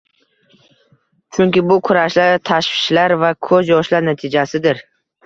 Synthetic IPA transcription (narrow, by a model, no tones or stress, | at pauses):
t͡ʃʰʊŋkʲɪbʊkʰʊɾaʃlaɾt̪ʰaʃvɪ̥ʃlaɾvakʰɵzjɒʃlaɾnat̪ʰɪd͡ʒasɪd̪ɪɾ